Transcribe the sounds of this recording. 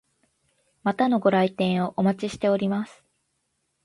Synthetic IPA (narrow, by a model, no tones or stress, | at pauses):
mat̪ano̞ɡo̞ɾait̪ẽɰ̃o̞ʔomat͡ɕiɕi̥t̪e̞o̞ɾʲimasɨ̥